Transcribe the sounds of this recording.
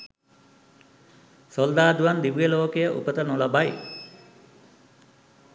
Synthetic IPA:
sold̪aːd̪uʋand̪iʋijəloːkejəʔṵpət̪ənulabaj

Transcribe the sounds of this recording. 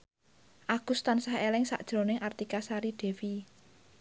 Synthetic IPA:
ʔaɡ̥ṳst̪ansahelɪŋsa̰ʔd̥ʒ̥ɾo̤nɪŋart̪ikasaɾiɖ̥e̤wi

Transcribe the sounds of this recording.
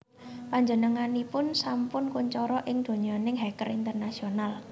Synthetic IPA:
paɲd͡ʒənəŋanipʊnsampʊnkuɲt͡ʃɔɾɔʔɪŋd̪̥o̤ɲanɪŋɦɛkərint̪ərnasional

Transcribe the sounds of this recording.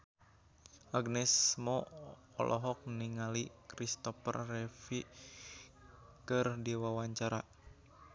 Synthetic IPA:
ʔaɡnɛsmɔ | ɔ̰lʔɔɦɔk̚niŋalikɾist̪ɔfə̰rːɛfi | kɨrdɛwawaɲt͡ʃaɾa

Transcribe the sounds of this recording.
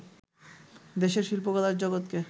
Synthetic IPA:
d̪eʃeɾʃilpokɔlaɾd͡ʑɔɡot̪ke

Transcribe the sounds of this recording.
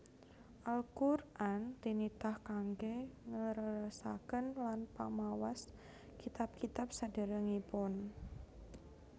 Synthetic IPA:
ʔalkurʔant̪init̪ahkaŋɡeŋəɾəɾəsa̰kənlanpa̰mawas | kit̪ap̚kit̪ap̚sad̥ə̤ɾəŋipʊn

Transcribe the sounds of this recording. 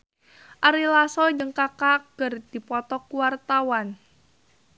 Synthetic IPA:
ʔaɾilasɔd͡ʒəŋkakaɡ̥ərd̪̥ipɔt̪ɔkuwart̪awan

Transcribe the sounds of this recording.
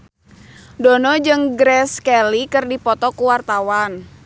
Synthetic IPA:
dɔnɔd͡ʒɨŋɡɾɛskɛlikɨrdipɔt̪ɔkuwart̪awan

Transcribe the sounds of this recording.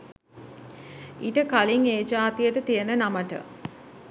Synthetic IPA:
iʈəkaliŋeːd͡ʒaːt̪ijəʈət̪ijənənaməʈə̰

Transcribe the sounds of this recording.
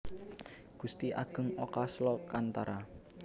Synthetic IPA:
ɡ̥ust̪iʔa̰ɡ̥ə̤ŋokaslɔkant̪aɾa

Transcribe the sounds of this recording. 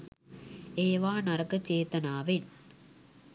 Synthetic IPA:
eːʋaːnɐɾɐkɐt͡ʃeːt̪ɐnaːʋɪn

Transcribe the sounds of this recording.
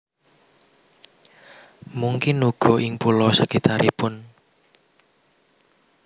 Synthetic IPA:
muŋkɪnuɡ̥ɔ̤ʔɪŋpulɔsəkit̪aɾʔipʊn

